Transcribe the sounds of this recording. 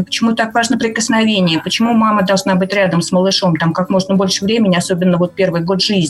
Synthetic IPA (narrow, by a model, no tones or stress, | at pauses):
pə̥t͡ɕɪmut̪akvaʐnəpɾʲɪkəsnɐvʲenʲɪjəpət͡ɕɪmumaməd̪ɐlˠʐnabɨtʲɾʲad̪əmsməlˠɨʂo̞mt̪amkakmo̞ʐnəbo̞lʲʂɨvɾʲemʲɪnʲɪɐso̞bʲɪnːəvo̞t̪̚pʲervɨjɡo̞t̪ʐɨzʲnʲɪ